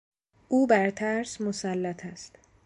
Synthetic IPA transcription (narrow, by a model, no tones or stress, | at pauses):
ʔuːbæɾt̪ʰæːɾsmosælːæt̪ʰæst̪